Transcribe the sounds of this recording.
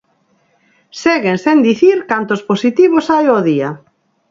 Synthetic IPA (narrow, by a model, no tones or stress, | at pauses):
seɣensend̪iθiɾkant̪ʊsposit̪iβosajoðia